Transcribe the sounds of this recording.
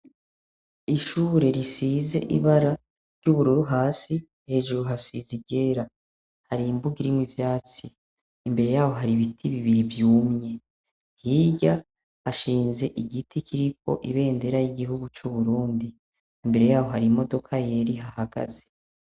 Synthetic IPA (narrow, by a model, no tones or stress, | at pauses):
iʃuːɾe̞ɾisiːze̞̰ʔiβaɾa | ɾjuβuɾuɾuɦaːsi | he̞ːʒuɾuɦasizibɟe̞ːɾa | haɾimbuɡiɾimwivjaːt͡siː | mbe̞ɾe̞jaːho̞ɦaɾiβitʰiβiβiɾivjuːmɲe̞ | hiːɟa | haʃiːnze̞ʔiɡitʰikʰiɾikʰo̞̰ʔiβe̞ːnde̞ɾajiɡiɦuɡut͡ʃuβuɾuːndi | imbe̞ɾe̞jaːwo̞ɦaɾimo̞do̞kʰaje̞ɾiɦahaɡa̰ze̥